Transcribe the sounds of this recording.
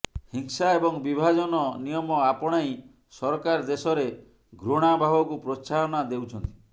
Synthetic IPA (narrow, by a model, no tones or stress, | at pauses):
hiŋsaebɔŋbibʱad͡ʒɔnɔnijɔmɔapɔɽ̃aj | sɔɾkaɾd̪esɔɾe | ɡɾoɽ̃abʱabɔkupɾot͡ʃaɾɔnad̪ewt͡ʃʰɔnt̪i̥